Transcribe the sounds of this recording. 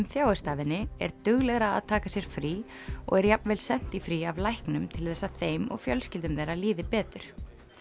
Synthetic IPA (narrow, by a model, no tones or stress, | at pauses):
mθjaːwɛst̪aːvɪnːɪɛ̰ɾt̪ʏɣlɛɣɾa̰ːðt̪ʰaːkasjɛɾ̥fɾiː | ɔ̰ɣɛɾjapnvɛlsɛn̥t̪ifɾiavlajhknʏmt̪ʰɪlθɛsːaðθejmɔ̰ɣfjœlscɪlt̪ʏmðeːjɾaliːðɪpɛːt̪ʏɾ̥